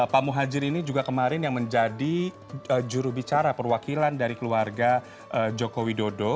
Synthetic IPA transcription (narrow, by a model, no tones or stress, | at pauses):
pamuɦad͡ʒɪɾinid͡ʒuɡakəmaɾɪnjaŋməɲd͡ʒadi | əd͡ʒuɾuhbit͡ʃaɾapərwakilandaɾikəluarɡa | ʔəd͡ʒokowidodo